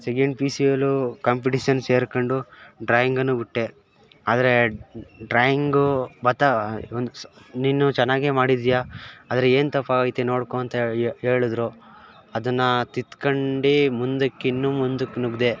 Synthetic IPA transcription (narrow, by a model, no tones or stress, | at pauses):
seɡeɳɖ̚pisijɐlukɐmp̬iʈiʃɐnseːɾkɐɳɖuɖɾaːjiŋɡɐnːubiʈːe | aːd̪ɐɾe̞ɖɾaːjiŋɡubɐt̪ːaond̪uninːut͡ʃɛnːaːɡeːmaːɽid̪ijaaːd̪ɐɾeeːnt̪ɐpːaːjit̪eno̞ːɽkoɐnt̪ɐe̞ːɭud̪ɾu | ɐd̪ɐnːɐt̪it̪kɐɳɖimund̪ɐkːinːumund̪uknuɡd̪e̞